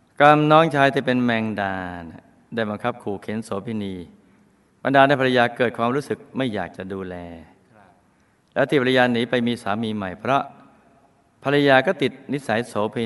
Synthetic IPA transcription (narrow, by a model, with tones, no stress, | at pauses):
kla˧mnɔː˦˥ŋt͡ɕʰaː˧jt̪ʰiː˥˩pe˧nmɛː˧ŋdaː˧n | daː˥˩jba˧ŋkʰa˦˥p̚kʰuː˨˩kʰe˨˩˦nsoː˩˦pʰiː˧niː˧ | ba˧ndaː˧ndaː˧˩pʰa˧la˧jaː˧kɤː˨˩t̪̚kʰwaː˧mɾuː˦˥sɯ˨˩k̚ma˥˩jːa̰ː˨˩k̚t͡ɕa˨˩duː˧lɛː˧ | lɛ̰˦˥wt̪ʰiː˧˩pʰa˧jaː˧niː˩˦pa˧jmiː˧saː˩˦miː˧ma˨˩jpʰɾɔ˦˥ | pʰa˧ɾa˧jaː˧kɔː˥˩t̪i˨˩t̪̚ni˦˥t̪̚sa˩˦jsoː˩˦pʰeː˧